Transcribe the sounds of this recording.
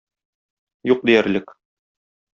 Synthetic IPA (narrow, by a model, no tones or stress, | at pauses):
juq̚d̪ijæɾlɘk